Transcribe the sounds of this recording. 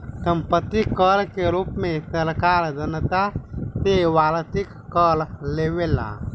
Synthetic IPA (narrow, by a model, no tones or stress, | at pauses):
t̪əmpət̪ikːəlkeɾupmet̪əɾkaɾd͡ʒənət̪at̪eʋalt̪ikːəlleʋela̰